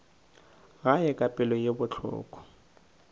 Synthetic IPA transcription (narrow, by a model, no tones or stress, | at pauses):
ɣajɛkʼapʼɪlɔjebʊt͡ɬʰɔ̰ːkʼɔ̥